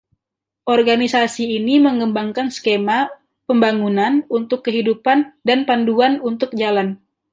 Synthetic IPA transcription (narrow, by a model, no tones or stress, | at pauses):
ʔɔrɡanisasiːniməŋəmbaŋkanskema | pəmbaŋunanunt̪ʊkːəɦidupandanpanduanunt̪ʊk̚d͡ʒalan